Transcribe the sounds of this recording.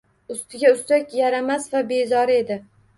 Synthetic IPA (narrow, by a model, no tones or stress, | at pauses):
ʊst̪ʰɪɡʲaʊst̪akʲjaɾamasvabe̞zɒɾe̞d̪ɪ